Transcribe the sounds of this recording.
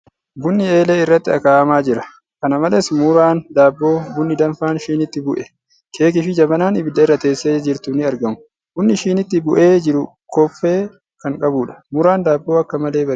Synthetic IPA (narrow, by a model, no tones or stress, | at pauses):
bʊnːɪe̞ːleːɪrːɐt̪ːɪɐkaːʔɐmaːd͡ʒɪɾɐ | kɐnɐmɐleːsmʊɾaːnd̪aːbːo̞ːɡʊnːɪd̪ɐnfaːnʃiːnɪt̪ːɪbʊʔɛ | kʰe̞ːk̬ɪfɪd͡ʒɐbɐnaːnɪbɪd̪ɐɪrːɐt̪e̞ːsːeːd͡ʒɪɾt̪ʊnɪɐɾɡɐmʊ̥ | ɡ̥ʊnːɪʃiːnɪt̪ːɪbʊʔe̞ːd͡ʒɪɾʊ | kɔfːe̞ː | kɐŋkʼɐbuːᶑɐ̥mʊɾaːnd̪aːbːo̞ːɐkːɐmɐle̞ːbɐ